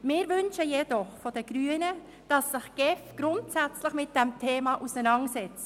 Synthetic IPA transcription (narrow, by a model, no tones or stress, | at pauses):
mɪːɾvʏnʃəjɛd̥ɔχfɔd̥ɛɡ̥ɾyːənə | d̥ɑsːɪχɡ̥ɛfɡ̥ɾʊntsæt͡slɪχmɪt̚d̥ɛmtʰeːmɑʔusɛnɑŋsɛt͡s